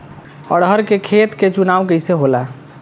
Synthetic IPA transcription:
ɔ̰ɽɦəɾkekʰet̪ket͡ʃunaʋkəjseɦola

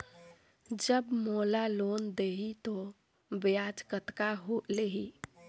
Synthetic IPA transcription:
d͡ʒəbmolalond̪eɦit̪o | bead͡ʒkət̪kaɦoleɦi

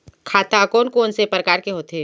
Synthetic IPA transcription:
kʰaːt̪akoːnkoːnsepɾəkaːɾkeɦoːt̪e

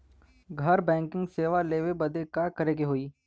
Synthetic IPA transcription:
ɡʱɐɾbɛ̃ːŋkɪ̃ŋɡseːʋaleːʋebɐd̪ekakɐɾeːɡeɦoːiː

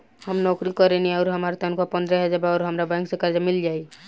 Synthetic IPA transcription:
həmnɔkɾikɔɾeniaʊɾɦəmaɾt̪ənkʰɔpənd̪ɾəɦəd͡ʒabaʊɾɦəmɾabãŋksekaɾd͡ʒamild͡ʒaj

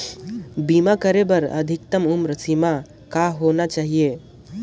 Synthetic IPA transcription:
bimakəɾebəɾə̰d̪ʱik̚t̪əmumɾəsima | kaɦonat͡ʃaɦije

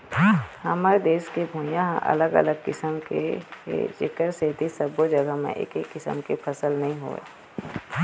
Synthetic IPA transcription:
hɐmaːɾed̪eːʃkebʱũːjãɦʔɐ̰ləɡə̰ləɡ̚kɪsəmkḛ | t͡ʃɪ̰kəɾset̪isəbod͡ʒəɡəmḛ̃ʔḛːkekːɪsə̰mkepʰəsəlnɐɦĩɦo̰ḛː

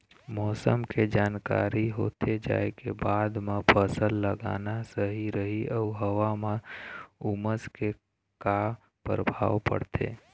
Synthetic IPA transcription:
mɔːsəmked͡ʒaːnka̰ːɾiɦoːt̪ʰed͡ʒa̰ːekebaːd̪mãpʰəsəlːəɡa̰ːnasəɦiɾəɦiʔəɦəʋamãuməske | ka | pəɾbʱaːʋpə̰ɽt̪ʰḛː

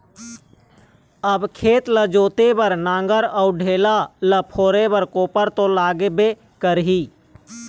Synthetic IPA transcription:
əbkʰeːt̪ləd͡ʒoːt̪ebəɾnãːŋɡəɾəuɖʱeːlaləpʰoːɾebəɾkoːpəɾt̪õlaːɡebe | kəɾɦiː

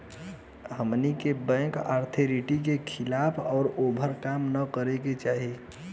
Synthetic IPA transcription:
ɦəmnikebɛ̃ːkaːɾt̪ʰeɾiʈik̬ekʰɪlaːpʰɔːɾobʱəɾkamnəkəɾeket͡ʃaːɦi

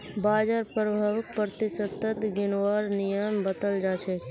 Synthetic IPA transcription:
baːd͡ʒaːɾpəɾəbʱəʋpəɾt̪ɪsət̪ːət̪ɡɪnwaːɾnɪjəmbət̪əld͡ʒaːt͡ʃʰɛː

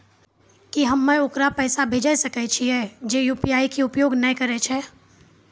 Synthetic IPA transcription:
kiɦɐmːẽʊkɾapɛːsabʱeːd͡ʒasɐkɛt͡ʃʰiɦɛːd͡ʒejuːpijaːikiʊpjoːɡnɐĩkɐɾet͡ʃʰɛ

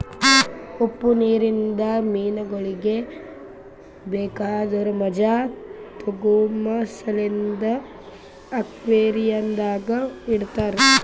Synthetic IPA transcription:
opːuniːɾind̪ɐmiːnɐɡɐɭiɡe | beːkaːd̪ɐɾumɐd͡ʒat̪oɡuːmɐsɐlind̪ɐː | kʋeːɾijɐnd̪aːɡɐiɽt̪aːɾe

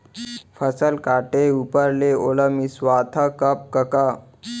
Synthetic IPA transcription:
fəsəlkaʈeupəɾleoləmisʋat̪ʰakəp̚kəka

